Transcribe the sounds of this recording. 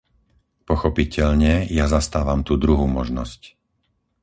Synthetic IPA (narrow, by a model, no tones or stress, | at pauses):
pɔxɔpicɛʎɲɛjazast̪aːʋamt̪uːd̪ɾuɦuːmɔʒnɔsc